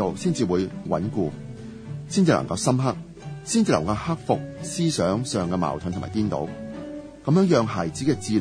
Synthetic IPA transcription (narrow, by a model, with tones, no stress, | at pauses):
o˨wsiː˥nt͡siː˨wuː˨˧jwɐ̰˨˥nkuː˧ | siː˥˩nt͡siː˨lɐ̰˨˩ŋkɐ˧wsɐ˥mɦɐ˥k̚ | siː˥nt͡siː˨lɐ̰˨˩ŋkɐ˧whɐ˥k̚fʊ˨k̚siː˥sœː˨˥ŋsœː˨ŋkɛː˧ma̰ː˨˩wt̪ʰnt̪ʰmaː˨˩kiː˥nt̪o̰˨˥w | kɐ˨˧mjœː˨˥ŋjœː˨˧ŋɦɐ˨˩jt͡siː˨˥kɛː˧t͡siː˧l